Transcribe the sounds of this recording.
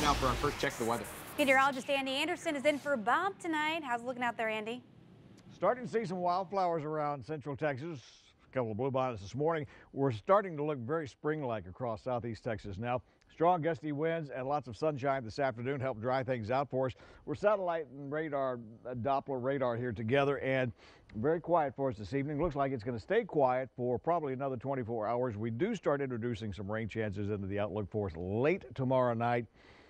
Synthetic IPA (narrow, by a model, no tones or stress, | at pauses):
naʊfə˞aɪfɜ˞st͡ʃʰɛk̚ðəwɛðə˞ɪ̃ə˞ɑlˠd͡ʒɨstæ̃ndiæ̃ndə˞sɨ̃nɨzɪ̃nfə˞ɨbɑb̚tʰɨnaɪt̚haʊzlʊkɪ̃ŋaʊt̪̚ðə˞æ̃ndi | stɑɹɾɪ̃ŋtʰəsis̬ʌ̃mwaɪlˠd̥flaʊə˞zə˞ãʊ̃nd̥sɛ̃nt͡ʃɹ̥l̩ˠtʰɛksɨs | kʰʌpl̩ˠʌvblubɑnɨsðɪsmɔɹnɪ̃ŋwɪɹstɑɹɾɪ̃ŋtəlʊkvɛɹispɹɪ̃ŋlaɪkɨkʰɹ̥ɔsaʊθistʰɛksɨsnaʊ | stɹ̥ɔ̃ŋɡʌstiwɪ̃nzɨ̃nlɑtsʌv̥sʌ̃nʃãɪ̃nðɪsæftə˞nʉ̃nɦɛlˠp̚dɹaɪθɪ̃ŋzaʊtfə˞ɨswɨɹsæɾəlaɪɾn̩ɹeɪɾɑɹɨdɑplə˞ɹeɪɾɑɹhiɹɾɨɡɛðə˞ʔɨ̃n | vɛɹikʰw̥aɪɨtfə˞ʌs̬ðɪsivnɪ̃ŋlʊkslaɪkɨtsɡ̥ʌnɨsteɪkʰw̥aɪɨtfə˞pʰɹ̥ɑbəbliɨnʌðə˞tʰw̥ɛ̃ɾ̃ifɔɹaʊə˞zwidɨstɑɹɾɪ̃nt͡ʃɹ̥ɨdʉsɪ̃ŋsʌ̃mɹẽɪ̃nt͡ʃʰæ̃nsɨzɪ̃ntʉðiaʊtˡlʊkfə˞ɨsleɪtʰəmɑɹoʊnaɪt̚